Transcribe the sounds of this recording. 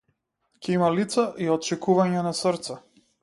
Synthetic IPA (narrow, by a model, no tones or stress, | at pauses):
cɛimalit̪saʔiɔt̪t͡ʃɛkuvaɲɛnasəɾt̪sɛ